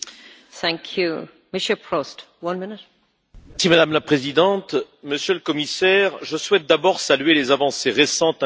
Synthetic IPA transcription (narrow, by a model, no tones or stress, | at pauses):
θæ̃ŋkʰju | mɪʃəpʰɹɔst | wʌ̃nmɪnɪt̚ | simad̪amlapχezid̪ɑ̃t̪ | məsjøləkɔmisɛʁʒəswɛt̪̚d̪abɔʁsalɥelezavɑ̃seʁesɑ̃t̪